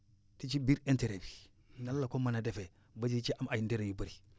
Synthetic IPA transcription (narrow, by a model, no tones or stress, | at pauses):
tit͡ʃibiɾenteɾebi | nalːakomanadefe | bad͡ʒiit͡ʃiʔamajindeɾejubaɾi